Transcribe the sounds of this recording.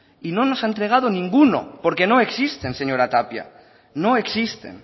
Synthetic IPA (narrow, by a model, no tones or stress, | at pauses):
ino̞nosaent̪ɾe̞ɣ̞að̞onĩŋɡuno̰poɾke̞noeksist̪e̞nse̞ɲo̞ɾat̪apja̰ | no̞eksist̪e̞̰n